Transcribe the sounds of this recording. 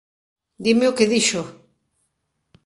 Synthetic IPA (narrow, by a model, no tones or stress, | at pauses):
d̪imeʊkeðiʃo